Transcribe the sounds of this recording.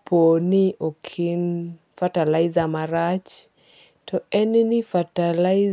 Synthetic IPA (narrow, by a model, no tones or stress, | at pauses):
pʰonɪʔokʰɪn | fatalaɪzamaɾat͡ʃ | tɔɛnnɪfatala